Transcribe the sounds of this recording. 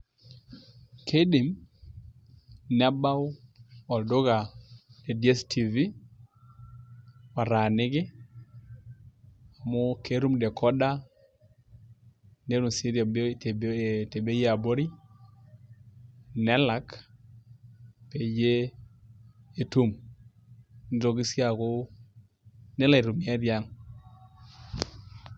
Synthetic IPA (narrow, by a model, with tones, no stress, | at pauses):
kʰe˦di˨m | nɛ˦ba˦wɔ˨ldo˦ɡa˨e˨di˦ɛ˦stʰi˨vi˦ | a˨ɾa˨nɪ˦ɡɪ˦ | a˨mʊ˦ke˦ɾu˦mdɛ˨kʰɔ˦da˦ | ne˦ɾu˨si˦ɾa˨bte˨be˦je˦a˨bo˦ɾi˦ | nɛ˦la˨˦k | pe˨je˦ | e˨tu˦m | n˨ɾo˨ɡi˦si˦a˨ko˦ | nɛ˦la˨i˨ɾu˨mja˦ɾja˦ŋ